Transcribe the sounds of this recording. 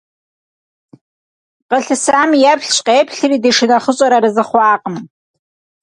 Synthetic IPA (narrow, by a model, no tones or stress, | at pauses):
qəɬɨsaːmjapʰɬɕʼqeːpʰɬɨriːdeʂɨnɐχəɕʼɐɾɐɾɨzɨχʷɑːqʼəm